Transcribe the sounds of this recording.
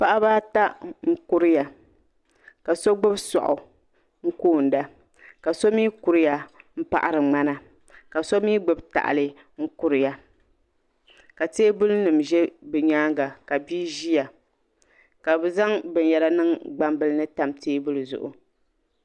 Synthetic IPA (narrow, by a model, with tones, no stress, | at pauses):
pa˦ʔa˦baː˦ta˦ŋŋ̩˦ku˦ɾɨ˦ja˨ | ka˨so˦ɡ͡bʊ˦bsɔ̰˨ʔʊ̰˨ | ŋ̩˦koː˦˨n̩˨da˦ | ka˨so˦miː˦ku˨ɾɨ˦ja˨m̩˦pa̰˨ʔa˨ɾɨ˨ŋ͡ma˦na˦ | ka˨so˦miː˦ɡ͡bɨ˦bta̰˨ʔlɨ˦ | ŋ̩˦ku˦ɾɨ˨ja˨ | ka˨teː˦bʊ˦lnɨ˨mʒɛ˦bɨ˨ɲaː˦ŋɡa˨ka˨bi˦ʒi˦ja˨ | ka˨bɛ˦za˦ŋbɨ˨n˨jɛ˨la˦nɨ˦ŋɡ͡ba˦mbɨ˨lɨ˦nɨ˦ta˨mtʰeː˦bʊ˦lzʊ̰˨ʔʊ̰˨